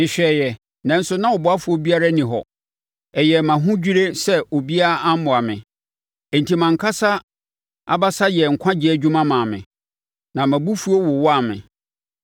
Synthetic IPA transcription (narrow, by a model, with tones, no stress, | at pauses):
ɪ̃˨ɕᶣɛ˨jɛ˨ | nã˨n̩˦sʊ˨˦nã˦ɔ˨bɔ˨a˦fu˨o˦bi˦a˦ɾa˦nĩ˨ɦɔ̰˨ | ɛ˨jɛ˨mã˨ɦʊ̃˦d͡ʑᶣi˦ɾe˦sɛ˦ʔo˨bi˦a˦a˦m̩˦mʊ̃˨a˨mɪ̰̃˨ | n̩˨tʰi˨mã˨ŋ˨kʰa˦sa˦ | a̰˨ba˦sa˦jɛ˨ŋ̩˨kʷʰã˦d͡ʑɪ˦ɛ˨d͡ʑᶣu˦mã˦mãː˨mɪ̰̃˨ | nã˨mæ̃˨bu˦fu˦o˦wʊ˨wɔ˦a˨mɪ̰̃˨